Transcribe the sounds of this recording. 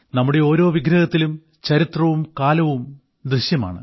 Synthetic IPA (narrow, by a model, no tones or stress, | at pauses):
nɐmːuɽe̞o̞ːɾo̞ːʋiɡɾɐɣɐt̪ːilum | t͡ɕɐɾit̪rɐʋumkaːlɐʋum | d̪rɨɕjɐma̰ːɳɨ